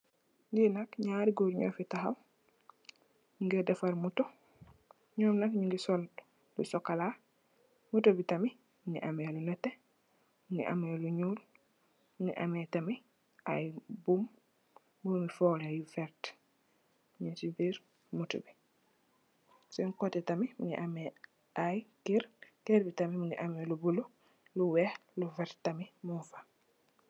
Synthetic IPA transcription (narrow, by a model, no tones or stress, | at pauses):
nɡinɐkɲaːɾiɡoːɾɲɔ̰ːfitaɦaw | ɲuŋɡɛdɛfɐɾmutɔ | ɲɔːmnɐkɲuŋɡisɔl | lṵsɔkːala | mutobitɐmi | nḭʔamelunɛtːe | niʔa̰meluɲul | niʔa̰metɐmi | ʔajbum | bumifɔːlajufɛɾt | mɲisibiːɾ | mutobi | sɔŋkotɛtamimṵɲḭʔame | ʔajkiɾkɛɾbitamimuɲiʔamelubulu | luwɛːhlufattamimufḁ